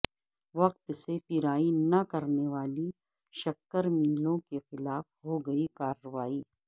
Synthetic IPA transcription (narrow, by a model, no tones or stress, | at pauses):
ʋɐq̚t̪sepɪɾaːinɐkɐɾneʋaːli | ʃɐkːəɾmiːlõkexɪlaːfɦoɡɐikaːɾːəʋaːiː